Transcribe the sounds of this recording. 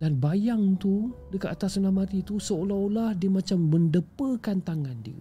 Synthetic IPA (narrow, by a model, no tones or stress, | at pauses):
danbajaŋt̪udəkat̪at̪asənamat̪it̪usəolaolahdiəmãt͡ʃamːəndəpəkant̪aŋandiə̰